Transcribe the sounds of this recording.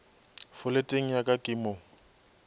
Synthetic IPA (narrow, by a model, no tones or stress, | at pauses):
fʊletʼeŋ̩jakʼakʼɪmɔ